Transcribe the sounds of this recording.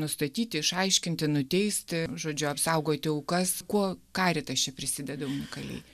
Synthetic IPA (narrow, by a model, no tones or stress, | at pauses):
nʊst̪ɐt̪ʲiːt̪ʲɪɪʃɐɪʃʲkʲɪnʲt̪ʲɪnʊt̪ʲɛɪsʲt̪ʲʒoːd͡ʒʲʊɐpsɐʊɡoːt̪ʲɪoʊkɐskuɔkɑːɾʲɪt̪ɐst͡ʃʲɛpʲɾʲɪsʲɪd̪ʲɛd̪ɐʊnʲɪkɐlʲɛ̰ɪ